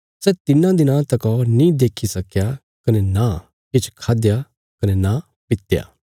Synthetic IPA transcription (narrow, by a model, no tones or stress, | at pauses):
sɛt̪ɪnãd̪ɪnãt̪ɐkɔːɾnĩːd̪eːkʰisɐkja | kɐnɛna | kɪt͡ʃʰkʰaːd̪ja | kɐnɛna | pɪt̪ja̰ː